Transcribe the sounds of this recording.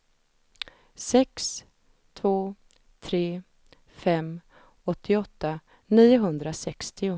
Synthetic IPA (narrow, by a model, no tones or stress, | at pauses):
sɛks | t̪ʰvoː | t̪ʰɾeː | fɛmː | ɔt̪ʰːɪɔt̪ːa | niːʊɦɵnd̪ɾasɛkst̪ɪʊ